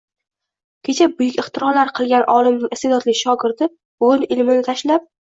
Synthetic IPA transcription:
kʲʰe̞t͡ʃʰabʊjʊkʲɪχt̪ɪɾɒɾlaɾqʰɨlˠɡʲanʔɒːlˠɪmnɪŋɪst̪ed̪ɒt̪lɪkʲʃɒɡʲɪɾd̪ɪ | ʊnɪlmɪnɪt̪ʰaʃlap̚

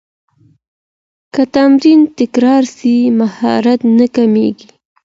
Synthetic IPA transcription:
kat̪amɾint̪ɪkɾɑɾsimahɑ̰ɾat̪nakameɡi

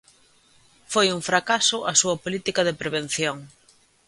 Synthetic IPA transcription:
fojuŋfɾakasʊʔɐsuɐpolit̪ikɐðepɾeβen̟θjoŋ

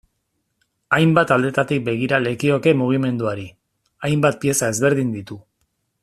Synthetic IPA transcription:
ajmbat̪ald̪e̞t̪at̪ik̚be̞ɣ̞iɾale̞kio̞ke̞muɣ̞ime̞nd̪uaɾi | ajmbat̪̚pie̞sae̞zβe̞ɾð̞ind̪it̪u

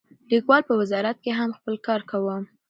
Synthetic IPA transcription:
likwɑlpəwɪzɑɾat̪̚keɦamxpəlkɑɾkawəm

